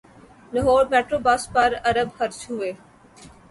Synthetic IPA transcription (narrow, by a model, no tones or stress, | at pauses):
nəɦoːɾmeːʈɾoːbɐspɐɾɐɾəbhɐɾt͡ʃɦueː